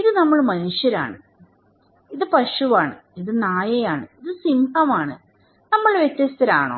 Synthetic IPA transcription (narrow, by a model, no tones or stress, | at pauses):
iðɨnɐmːɐɭmɐnuʂjɐɾa̰ːɳɨ | iðɨpɐʂuʋaːɳɨiðɨnaːjɐjaːɳɨiðɨsimbʱɐmaːɳɨ | nɐmːɐɭʋjet̪ːjɐst̪ɐɾa̰ːɳoː